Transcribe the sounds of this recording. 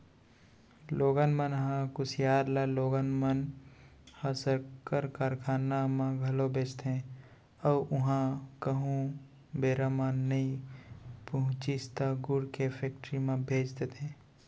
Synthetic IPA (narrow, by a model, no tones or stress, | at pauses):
loːɡənmənɦãkʊsjaːɾlaloːɡənmən | hasəɾkəɾkaːɾkʰaːnamãɡʱɐlobʱeːd͡ʒt̪ɦɛ̃ | ɔːʔʊɦãkəɦũ | beːɾamãnəi | pəɦʊ̃t͡ʃist̪aɡʊɽkepʰeːkʈɾimãbʱeːd͡ʒt̪et̪ʰɛ̃ː